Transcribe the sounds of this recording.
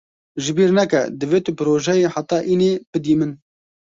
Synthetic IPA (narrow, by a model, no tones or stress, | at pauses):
ʒɨbiːɾnɛkɛd̪ɨveːt̪ɨpɨɾoːʒɛjeːħat̪ːɑːʔiːneːb̥ɨd̪iːmɨn